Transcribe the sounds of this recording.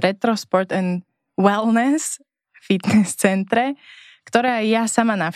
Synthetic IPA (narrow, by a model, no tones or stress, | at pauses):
ɾɛt̪ɾɔspɔɾt̪ɛn | wɛlnɛs | fit̪nɛst͡sɛnt̪ɾɛ | kt̪oɾaːjasamanaf